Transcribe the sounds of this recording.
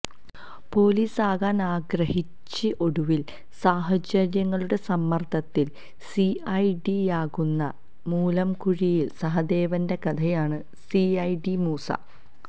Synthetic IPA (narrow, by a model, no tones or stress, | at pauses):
po̞ːliːsaːɣaːnaːɡrɐhit͡ɕːɨʔo̞ɽuʋil | saːɦɐd͡ʑɐɾjɐŋːɐɭuɽe̞sɐmːɐrt̪ʰɐt̪ːil | siɐjɖijaːɣunːɐ | muːlɐmkuɻijilsɐɦɐd̪e̞ːʋɐnde̞kɐt̪ʰɐjaːɳɨ | siɐjɖimuːsa̰ː